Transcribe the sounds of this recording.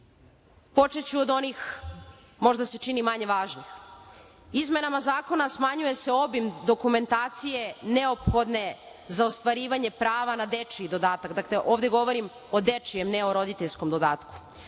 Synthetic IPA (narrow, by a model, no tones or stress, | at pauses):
po̞t͡ʃet͡ɕuod̪o̞nix | mo̞ʒd̪ase̞t͡ʃinimaɲe̞ʋaːʒnix | izme̞namazaːko̞nasmaɲuje̞se̞o̞bimd̪o̞kume̞nt̪aːt̪sije̞ne̞opxo̞d̪ne̞ | zaost̪ʋaɾiːʋaɲe̞pɾaːʋanad̪e̞t͡ʃiid̪o̞d̪aːt̪akd̪akle̞ʔoːʋd̪e̞ɡo̞ʋo̞ɾim | o̞d̪et͡ʂijemneo̞ɾo̞d̪it̪eʎʲskomd̪o̞d̪aːt̪ku̥